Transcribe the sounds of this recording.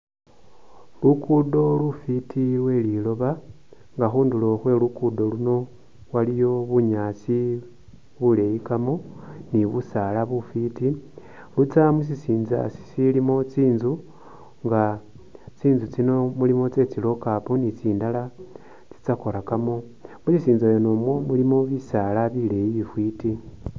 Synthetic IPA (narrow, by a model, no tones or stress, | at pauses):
lukudo̞lufitʰiwe̞lilo̞βa | ŋɡaxuːndulo̞xwe̞lukudo̞luno̞ | walijo̞βuɲaːt͡si | βule̞jikamoniβusalaβufiti | lut͡samus̬isiːnza̰si̥silimo̞t͡siːnzu | ŋɡa | t͡siːnzut͡sino̞mulimo̞t͡se̞t͡silo̞kaponit͡siːndala | t͡si̥t͡sakoɾakamo̞ | musisiːnzajonomwo̞mulimo̞βisalaβile̞jiifwiti